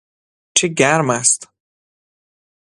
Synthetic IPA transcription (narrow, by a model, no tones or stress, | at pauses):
t͡ʃʰeɟæɾmæst̪